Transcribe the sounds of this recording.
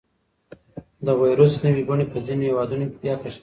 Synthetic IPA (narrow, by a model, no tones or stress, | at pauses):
d̪əwajɾʊsnəwiɡʊɳepəzinohewɑd̪unokebjɑkaʃ